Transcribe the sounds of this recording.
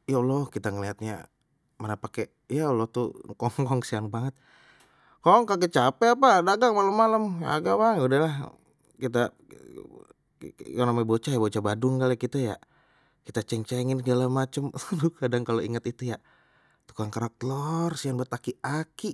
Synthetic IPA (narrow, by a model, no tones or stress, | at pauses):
jaulɔhkit̪aŋəliɦat̪̚ɲa̰ | manapakɛ | jaulɔt̪ukɔŋkɔŋsianbaŋət̪̚ | kɔŋkaɡət͡ʃapɛapadaɡaŋmaləmːaləmja̰ɡabaŋudaɦlah | kit̪a | kaŋnamabot͡ʃajabot͡ʃabadʊŋɡalekit̪aja̰ | kit̪at͡ʃɛŋt͡ʃɛŋɪnsəɡalamat͡ʃəmt̪ukadaŋkaloiŋat̪it̪uja | t̪u̥kaŋkaɾak̚t̪lɔrsianbat̪akiaki